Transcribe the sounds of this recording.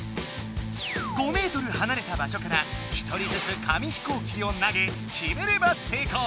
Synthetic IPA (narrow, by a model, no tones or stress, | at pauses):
ɡ̥o̞me̞ːt̪o̞ɾɯ̟hanaɾe̞t̪abaɕo̞kaɾa | çi̥t̪ʰo̞ɾʲid͡zɨt͡sɨkʰamʲiçi̥koːkʲio̞naɡe̞ | çʲime̞ɾe̞base̞ːkoː